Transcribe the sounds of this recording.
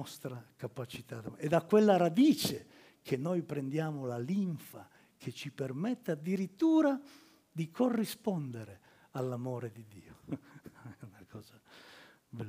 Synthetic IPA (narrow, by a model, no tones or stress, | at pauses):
ɔst̪ɾakapat͡ʃit̪aɛd̪akwelːaɾad̪iːt͡ʃe | kʰenːɔjpɾɛnd̪jaːmolaliɱfa̰ | kʰet͡ʃːipermɛt̪ːead̪ːiɾit̪ːuːɾa | d̪ikʰorːispɔnd̪eɾe | alːamoːɾed̪id̪ːḭːo | ɛunakʰɔːza | bɛlː